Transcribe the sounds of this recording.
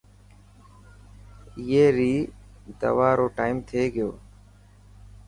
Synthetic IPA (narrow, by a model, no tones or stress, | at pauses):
ɪjeːɾiː | d̪ə̰ʋaːɾoːʈaːimt̪ʰeːɡɪjo̰ː